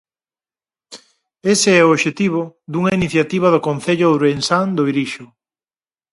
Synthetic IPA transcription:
eseɛooβʃet̪iβ̞ʊd̪uŋɐiniθjat̪iβ̞ɐðʊkonθeʎʊɾensaŋd̪oiɾiʃʊ

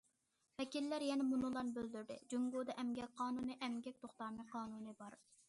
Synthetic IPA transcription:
vɛkʲilːæɾjɛnɛmunɨlˠɑnbøld̪yɾd̪ɪ̰d͡ʒyŋɡod̪ɑʔɛmɡʲɛk̚ʲqʰɑːnunɨʔɛmɡʲɛk̚ʲt̪ʰoχt̪ɑmɨqʰɑːnunɨbɑɾ

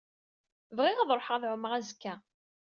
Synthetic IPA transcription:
vʁiʁaðˤɾˤoħʁæðʕʊməʁæzkːæ

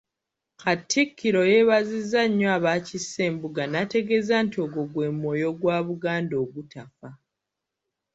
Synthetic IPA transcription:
katːikʰːiɾo̞je̞βazizːaɲːoaβacisːe̞ːmbuɡanate̞ɡe̞zaːntio̞ɡoɡwe̞ːmwo̞ːjo̞ɡwaːβuɡaːndo̞ːɡutafa

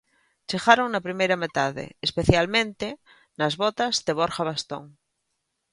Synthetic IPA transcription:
t͡ʃeɣaɾoŋnapɾimejɾamet̪aðḛespeθjalmẽnt̪e | nazβot̪azðeβ̞oɾxaβ̞ast̪o̰ŋ

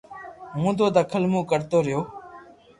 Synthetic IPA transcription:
ɦũːd̪oːd̪əːkʰəlmũːkəɾt̪oːɾɪjoː

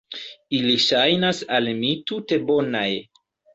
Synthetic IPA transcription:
iliʃajnasalmitute̞bo̞naj

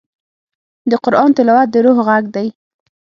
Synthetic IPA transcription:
d̪əqʊɾʔɑnt̪ɪlɑwat̪̚d̪əɾoɦɣaɡd̪aj

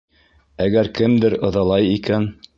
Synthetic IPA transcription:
æɡæɾkɘmd̪ɘɾɤ̆ðɑlˠɑjikæn

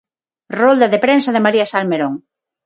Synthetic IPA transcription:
rold̪ɐðepɾensɐðɪmaɾiasalmeɾoŋ

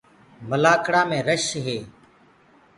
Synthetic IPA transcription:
məlaːkɽaːmẽːɾəʃɦeː

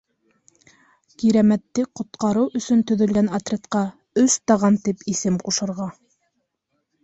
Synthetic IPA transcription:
kiɾæmæt̪ːɘqŏt̪̚qɑɾɤwɵ̆sɵnt̪ɵ̆ðɵ̆lɡænat̪rʲet̪qɑ | ɵst̪ɑʁɑnt̪ipisɘmquʃɤ̆ɾʁɑ

